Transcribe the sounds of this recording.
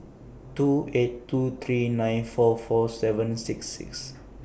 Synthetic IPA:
tuetːut̪ʰɹinãjnfɔfɔsɛvə̃nsiksḭks

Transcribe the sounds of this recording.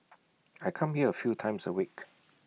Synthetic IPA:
ajkʰãmhiəəfjutʰãɪ̃msəwik

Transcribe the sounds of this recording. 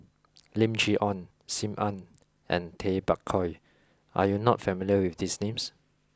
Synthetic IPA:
lĩmd͡ʒiʔɔ̃n | sĩmʔãn | ʔɛ̰̃ntʰebakʰɔj | ʔa̰junɔtfɛmiljəwifdisnẽms

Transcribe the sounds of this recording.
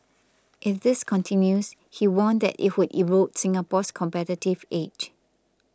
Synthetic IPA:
ʔɪfdɪskʰɔ̃ntʰɪ̃njus | hiwɔ̃nd̪ɛ̰tɪ̰t̚wʊdḭtɹot̚sɪ̃ŋapɔskʰɔ̃mpɛtitɪvet͡ʃ

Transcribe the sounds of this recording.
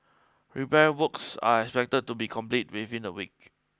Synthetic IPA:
ɹipɛɹiwəksa̰ɛkspɛk̚təd̚tubikʰɔ̃mplit̚wivĩnəwḭk̚

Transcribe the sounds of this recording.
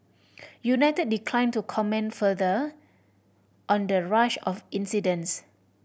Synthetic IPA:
junaɪtəd̚dikʰlãɪ̃ntukʰɔmɛ̃nfədə | ʔɔ̃ndəɹaʃɔfĩnsidə̃ns

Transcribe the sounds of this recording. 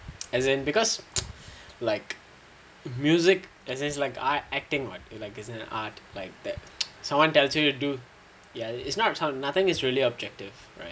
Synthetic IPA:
ɛzɛ̃nbikɔs | laɪk | mjuzɪk | ɛzɛ̃nslaɪkaɛk̚tɪ̃ŋwɔ̰tlaɪkɪsɪ̃nɛ̰̃natlaɪk̚d̪̥ɛt̚sãmwãntɛlsjujudu | jaɪtsnɔtsãwnat̪ɪ̃ŋɪsɹiəliɔb̚d͡ʒɛk̚tɪv̥ | ɹa̰ɪt̚

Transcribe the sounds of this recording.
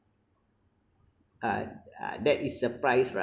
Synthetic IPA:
ʔa̰dɛtisːəpɹajsɹa̰

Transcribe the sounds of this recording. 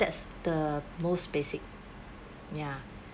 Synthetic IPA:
dɛtsd̥əmosb̥esɪk̚ | ja

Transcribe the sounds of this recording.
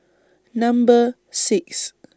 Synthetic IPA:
nãmbə | siks

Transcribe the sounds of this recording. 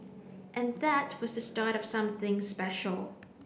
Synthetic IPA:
ʔɨ̃nðət̚wʌzðɨstɑɹɾʌv̥sʌ̃mθɪ̃ŋspɛʃl̩ˠ

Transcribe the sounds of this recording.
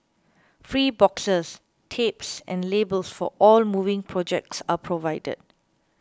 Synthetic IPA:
fɹiːbɔksəs | tʰepsɛ̃nlebəlsfɔ̰ʔɔlmuvɪ̃ŋpʰɹɔd͡ʒɛk̚tsapʰɹovaɪdə̰d̥̚

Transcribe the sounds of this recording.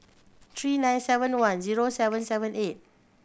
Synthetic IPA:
t̪ʰɹiːnãj̃nsɛvə̃nwãnziɹosɛvə̃nsɛvə̃nʔet̚

